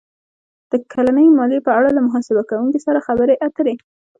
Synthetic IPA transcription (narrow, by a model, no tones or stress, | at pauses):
d̪̥əkʰalanəjmɑd̪epəaɽalamʊɦɑsɪbakawuŋkesaɾaxabəɾeʔat̪əɾe